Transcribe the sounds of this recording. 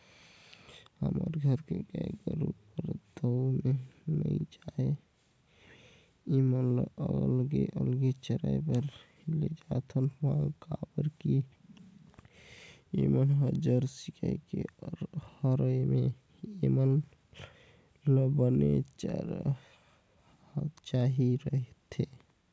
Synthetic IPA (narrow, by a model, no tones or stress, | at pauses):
hə̰məɾɡʱəɾkeɡaɡəɾupəɾd̪əwmenə̰id͡ʒae | emənllɡeʔəlɡet͡ʃəɾajpəɾ | led͡ʒat̪ʰənãkabəɾki | emənɦəd͡ʒəɾsikʰa̰ikḛɾhəɾəjme | emən | ləbənḛt͡ʃ | t͡ʃaɦiɾəɦet̪ʰe